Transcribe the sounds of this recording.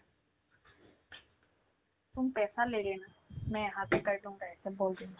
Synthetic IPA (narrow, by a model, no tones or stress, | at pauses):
t̪ʊmpɛːsaːleːɽeːna | mɛ̃ːɦaːt̪ekəɾɖõːd̪aːɛːt̪eːboːld̪eːa